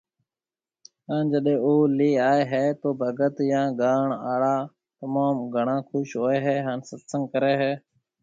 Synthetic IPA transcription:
ɦaːnd͡ʒəɗẽːoːliːaːeːɦeːt̪oːbʱəɡət̪jãːɡaːɳaːɽaː | t̪əmaːmɡʱəɳãːkʰʊʃɦoːeːɦɛːɦaːnsət̪səŋɡkəɾeːɦɛː

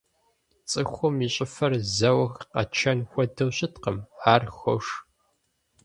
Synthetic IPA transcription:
t͡sʼɨxʷʊmiɕʼɪfɐrzɐwɐxqɐ̰t͡ʃʰɐnxʷɔdɨwɕɪtqəmaːrxʷɔ̰ʂ

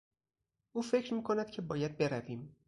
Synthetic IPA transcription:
ʔuːfe̞cʰɾmiːkʰo̞næd̪̥̚cʲʰe̞bɒːjæd̪̚be̞ɾæviːm

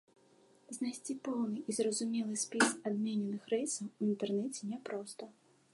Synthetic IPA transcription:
znajsʲt͡sʲipɔwnɨʔizrɐzumʲɛlˠɨsʲpʲisad̪mʲɛnʲɛnɨxɾɛjsɐwuint̪ɛrnɛt͡sʲɛnʲɛpɾɔst̪ɐ

